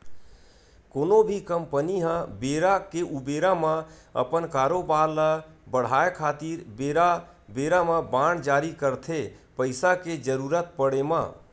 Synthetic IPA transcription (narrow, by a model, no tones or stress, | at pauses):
koːnobʱikəmpəniɦãbeːɾakeʔubeːɾamãə̰pənkaːɾobaːləbəɽ̤aːekʰaːt̪iɾbeːɾa | beːɾamãbãːɳd͡ʒaːɾikəɾt̪ʰepəɪsaked͡ʒəɾuːɾət̪̚pəɽemã̰ː